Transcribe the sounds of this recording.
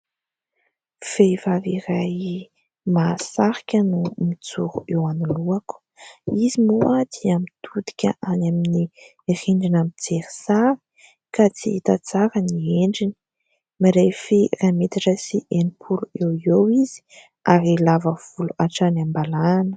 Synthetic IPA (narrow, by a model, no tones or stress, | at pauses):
v̥evaviɾaj | masaɾi̥kʲənumit͡suɾuewanuluaku̥ | izimoat̪iamit̪ʰud̪i̥kʲə̰ʔanamini | riɳɖ͡ʐinamit͡seɾi̥saɾi̥ | kat͡siit̪at͡saɾənieɳɖ͡ʐini̥ | maɾefiramet̪iʈ͡ʂəsiʔenipʰuluewiewizi̥ | aɾilavəv̥uluaʈ͡ʂanambalaanə̥